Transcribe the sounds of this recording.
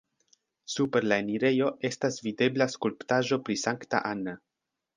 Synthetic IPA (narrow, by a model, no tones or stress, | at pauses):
supe̞ɾlaeniɾe̞jo̞e̞stasvide̞blaskulptaʒo̞pɾisaŋkta̰ʔana